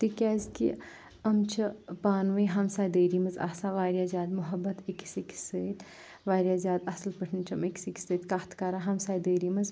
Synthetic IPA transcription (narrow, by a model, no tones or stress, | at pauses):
t̪ikʲaːzkḭ | ɐmt͡ʃʰipaːnʋɐɦɐmsaːjd̪əːɾimɐza̰ːsaːʋaːɾjaːzʲaːd̪mʊɦɐbːɐt̪iksiksəːt̪ | ʋaːɾjaːzʲaːd̪ɐslpəʈʰnt͡ʃʰɐmiksiki̥səːt̪kaːt̪ʰkaːɾaɦɐmsaːjd̪əːɾiːmɐz